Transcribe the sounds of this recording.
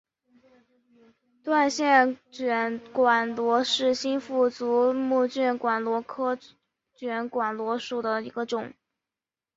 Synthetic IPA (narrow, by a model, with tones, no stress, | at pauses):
t̪wa˥˧nɕjɛ˥˩nt͡ɕɥɛ˧˩nkwa˨˩nlwɔ˧˥ʂɻ̩˥˩ɕi˥nfu˥˩t͡su˧˥mu˥˧t͡ɕy˥˩nkwa˨˩nlwɔ˧˥kʰɤ˥ | t͡ɕɥɛ˧˥nkwa˨˩nlwɔ˧˥ʂu˨˩d̪ə˦i˧˥ɡə˧ʈ͡ʂʊ˨˩˦ŋ